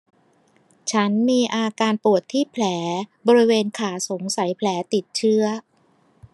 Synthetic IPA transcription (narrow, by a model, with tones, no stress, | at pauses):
t͡ɕʰa˦˥nmiː˧ʔaː˧kaː˧npu˨˩ət̪ʰːiː˥˩pʰlɛː˩˦bɔː˧ɾi˦˥weː˧nkʰaː˨˩so˩˦ŋsa˩˦jpʰlɛː˩˦t̪i˨˩t̪̚t͡ɕʰɯ˥ɐ